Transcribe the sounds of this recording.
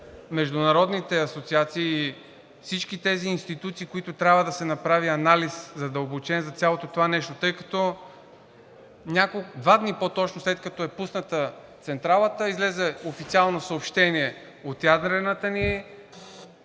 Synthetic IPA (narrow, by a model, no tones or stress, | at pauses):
mɛʒd̪ʊnɐɾɔd̪nit̪ɛɐsot̪siat̪siː | fsit͡ʃkit̪ɛziːnst̪it̪ut̪siːkoit̪ʊt̪ɾʲabvəd̪ɐsɛnɐpɾaviɐnaliszɐd̪əlˠbot͡ʃɛnzɐt̪sʲjalˠot̪ot̪ovanɛʃt̪ot̪ɤjkɐ̥t̪ɔ | nʲakod̪vad̪nipot̪ɔt͡ʃnoslɛt̪kɐt̪ɔɛpusnət̪ət̪sɛnt̪ɾalˠət̪əizlɛzɛofit̪sialˠnosəopʃt̪ɛniɛ | ot̪jad̪ɾɛnət̪əni